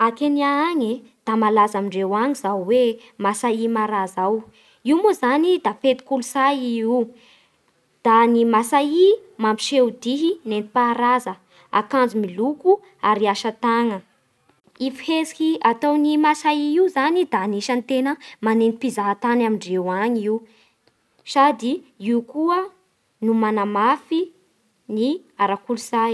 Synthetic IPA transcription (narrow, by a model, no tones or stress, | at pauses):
akeniaaɲe | d̪̥amalazamiɳɖ͡ʐewaŋizawwe | masaimaɾazaw | iwmozanid̪afet̪i̥kulusaiiw | d̪̥animasaimampi̥ʃewd̪iɦinent̪i̥paɾazə | a̰kand͡zumiluku | aɾiaʃat̪aŋə | ifihezi̥kʲiat̪ownimasaiiuzanid̪aniʃant̪enəmanenipizaɦat̪anamiɳɖ͡ʐewaɲiw | sad̪iiukuə | numanamafi | niaɾakuluzaj